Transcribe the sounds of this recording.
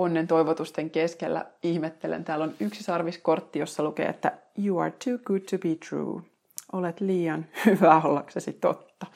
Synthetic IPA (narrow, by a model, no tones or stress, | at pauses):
onːent̪o̞iʋot̪ust̪eŋkeskelːæ̰ihmet̪ːelḛnt̪æːlonyksisɑrʋisko̞rt̪ːijosːɑlukḛːḛt̪ːæjuːɑ̰ːɹtʰuːɡ̥ud̚tʰubiːt̪ʰɹṵː | ʔolet̪liːjɑnhyʋæolːɑksesit̪o̰t̪ːɑ̥